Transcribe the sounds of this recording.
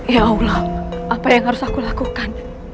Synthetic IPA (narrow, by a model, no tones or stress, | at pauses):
jaowlɔhʔapajaŋɦaɾʊsakulakukan